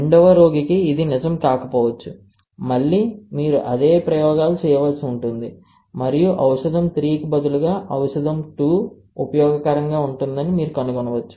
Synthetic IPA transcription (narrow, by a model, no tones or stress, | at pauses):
ɳɖɔʋɐɾo̞ːɡikiːd̪inid͡ʒɐmkaːkɐpɔːʋɐt͡ʃːu | mɐɭːiːmiːɾuʔɐd̪e̞ːpɾɐjɔːɡaːlut͡ʃɛːjɐʋɐlsiuɳʈund̪i | mɐɾijuʔɐwʂɐd̪ɐmt̪ɾiːkibɐd̪uluɡaːʔɐwʂɐd̪ɐmʈuː | upɐjɔːɡɐkɐɾɐŋɡaːuɳʈund̪ɐnimiːɾukɐnuɡonɐʋɐt͡ʃːu̥